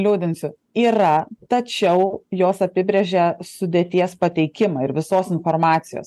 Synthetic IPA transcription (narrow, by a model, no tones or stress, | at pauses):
lʲuːd̪ʲɪnsʲʊ | iːɾɐt̪ɐt͡ʃʲɛʊjoːsɐpʲɪbʲɾʲeʒʲɛsʊd̪ʲeːt̪ʲiɛspɐt̪ʲɛɪkʲɪmɐɪɾʋʲɪsoːsɪnfoːɾmɑːt̪sʲɪjo̰ːs